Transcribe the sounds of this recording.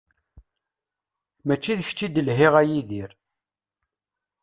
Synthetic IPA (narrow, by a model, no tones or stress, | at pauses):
mæt͡ʃːiðəçt͡ʃːid̪əlɦiʁæjiðiɾ